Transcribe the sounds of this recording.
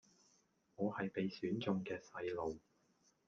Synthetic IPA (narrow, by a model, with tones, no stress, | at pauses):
ŋɔː˨˧hɐ˨jpe˨˧jsyː˨˥nt͡sʊ˧ŋkɛː˧sɐ˧jlo˨w